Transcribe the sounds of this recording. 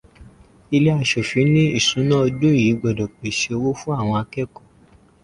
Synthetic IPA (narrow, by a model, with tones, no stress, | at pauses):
i˧le˦a˧˨ʃo˨fi˨˦nĩ˦i˦˨sũ˨˦nã˦ɔ˧do˦˨ji˨˦ɡ͡bɔ˨dɔ˨k͡pe˨ʃe˧wo˦fu˦a˦˨w̃ɔ̃˧a˧kɛ˦˨kɔ˨